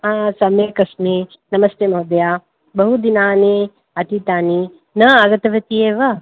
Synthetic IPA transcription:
aːsɐmeːkɐsmi | nɐmɐst̪eːmɐɦud̪jaː | bɐɦud̪inaːne | ɐt̪it̪aːni | nɐɐɡɐt̪ɐʋɐt̪ijeːʋɐ

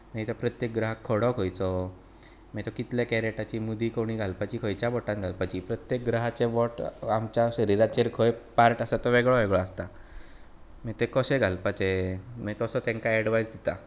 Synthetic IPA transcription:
mɛt̪apɾət̪jek̚ɡɾaɦakʰːoɽɔkʰojt͡sɔ | mɛt̪ɔkit̪lakɛɾeʈat͡ɕiːmud̪ʱiːkoɽ̃iːɡʱalpat͡ɕiːkʰojt͡ɕjabɔʈãnɡʱalpat͡ɕiːpɾət̪jek̚ɡɾəɦat͡seʋɔʈamt͡ɕjaɕəɾiɾat͡ɕeɾkʰojepaɾʈəsat̪ɔʋeɡɭɔʋeɡɭɔast̪a | mit̪ekɔɕeɡʱalpat͡ɕemɛt̪ɔsɔt̪ẽŋkaeɽʋajd͡zd̪it̪a

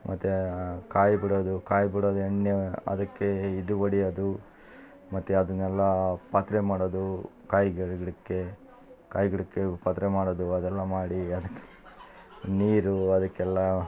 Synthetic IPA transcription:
mʔɐ̰t̪ːukaːjbiɽod̪ukaːjbiɽod̪uɐɳːjɐɐ̰d̪ɐkːeid̪uʋɐɽijɐd̪u | mɐt̪ːuɐd̪ɐnːɛlːɐpɐt̪ɾemaːɽod̪ukaːjɡɐɭɡɐɭikːe | kaːjɡɐɭikːepɐt̪ɾɛmaːɽod̪uɐd̪ɛlːɐmaːɽiɐd̪ɐkːe | niːɾuɐd̪ɐkːɛlːɐ

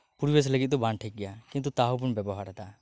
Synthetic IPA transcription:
puɾibes̬ləɡit̪̚d̪ɔbanʈʰəj̚ɡɛjakĩnt̪̬ut̪aɦɔp̬unbɛbɔɦaɾɛt̪a

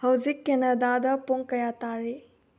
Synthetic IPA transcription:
hɐwzikːenɐdadɐpoŋkɐjataɾi

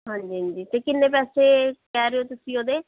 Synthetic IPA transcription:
ɦãːɲd͡ʒiːɦə̃ːɲd͡ʒiːt̪eːkɪnːeːpɛːseːkɛːɾeoːt̪ʊsĩːoːd̪eː

